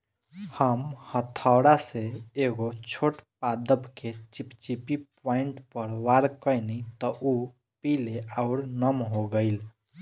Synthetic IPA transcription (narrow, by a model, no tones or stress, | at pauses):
həmhət̪ʰəwɽaseeɡot͡ʃʰoʈpad̪əbket͡ʃipt͡ʃipipɔiɳʈpəɾʋaɾkəjnit̪ɔʔu | pileʔaʊɾnəmɦoɡəɪl